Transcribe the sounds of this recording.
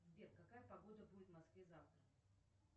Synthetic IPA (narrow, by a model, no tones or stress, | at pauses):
zʲdʲek̪kɐkajəpɐɡo̞d̪əbudʲɪt̪vmɐskvʲezaft̪ɾə